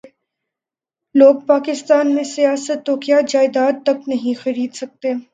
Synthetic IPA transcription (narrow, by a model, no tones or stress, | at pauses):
loːɡ̚paːkɪst̪aːnmẽsijaːsət̪ːokjaːd͡ʒaːɪd̪aːd̪̚t̪ɐknɐɦĩxɐɾiːd̪sɐk̚t̪eː